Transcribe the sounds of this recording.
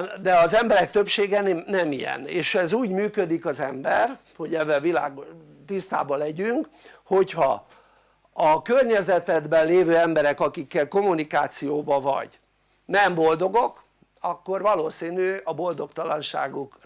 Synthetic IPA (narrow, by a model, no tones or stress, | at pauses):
d̪ɛɒzɛmbɛɾɛk̚t̪øpʃeːɡɛnnɛmijɛ̰neːʃɛzuːɟmyːkø̞d̪ikɒzɛmbɛr | ho̞ɟɛvːɛlvila̰ːɡ | t̪ist̪a̰ːbɒlɛɟyŋk | ho̞chɒ | ɒkørɲɛzɛt̪ɛd̪bɛllːeːvøːɛmbɛɾɛkɒkikːɛlko̞munikaːt̪sijoːbɒvɒ̰ɟ | nɛmbo̞ld̪o̞ɡo̞k | ɒkːo̞rvɒloːsiːnyɒbo̞ld̪o̞kt̪ɒlɒnʃa̰ːɡuk